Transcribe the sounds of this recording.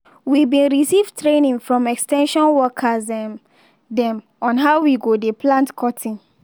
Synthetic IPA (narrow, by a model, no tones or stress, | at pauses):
wibĩnɹisivtɹenĩŋfɹɔ̃mɛkstɛ̃nʃɔ̃nwɔkʰazɛm | dɛ̃m | ɔ̃nɦaʊwiɡodepʰlãntkʰɔtʰĩn